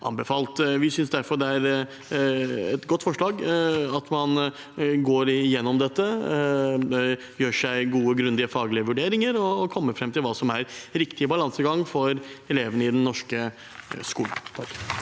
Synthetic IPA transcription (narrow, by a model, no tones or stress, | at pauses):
ʔɑ̰nbɛfɑːlt̪ʋɪsʏnsd̪æɾfɔɖ̪ɛæɾ | ɛt̪ɡɔt̪ːfɔʂɭɑːɡɑt̪mɑn | ɡoːɾjɛnːɔmd̪ɛt̪ːə | jøːʂæɪɡuːəɡɾʉnd̪ɪəfɑːɡlɪəʋʉɖeːɾɪŋəɾɔkʰɔmːəɾfɾɛmːt̪ʰɪlʋɑːsɔmæɾɾɪkt̪ɪəbɑlɑnsəɡɑŋːfɔɾɛleːʋənəɪd̪ɛnːɔʂkə | skuːlnt̪ʰɑkː